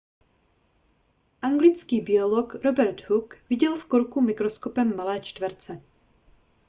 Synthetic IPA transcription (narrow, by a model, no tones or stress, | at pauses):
ʔaŋɡlɪt͡skiːbɪolokɾobɛɾt̪hukvɪɟɛlfkoɾkumɪkɾo̞sko̞pɛmːalɛːt͡ʃt̪vɛɾt͡sɛ